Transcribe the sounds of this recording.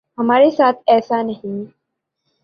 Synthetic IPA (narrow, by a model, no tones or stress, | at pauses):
ɦəmaɾesat̪ʰɛːsanəɦĩ